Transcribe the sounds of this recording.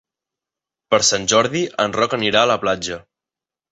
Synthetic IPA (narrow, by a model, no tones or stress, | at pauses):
pəɾsanʲʒɔɾðiʔənrɔkəniɾaələplad͡ʒə